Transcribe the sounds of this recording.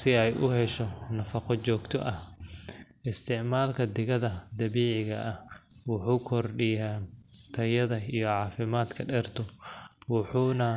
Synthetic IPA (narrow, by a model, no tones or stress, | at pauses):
sɪɛjʔʊɦɛʃɔnɐfɐqɔt͡ʃɔːɡt̪ʰɔ̰ʔɐh | ʔɪst̪ʰɪʕmaːlkʰɐd̪ɪɣɐðɐd̪ɐβiːʕɪɣɐʔɐh | wʊħuːkʰɔrɖɪjaːt̪ʰɐjɐðɐijɔʕɑːfɪmaːd̪kʰɐɖɛrt̪ʰɔ | wɑħuːnɐ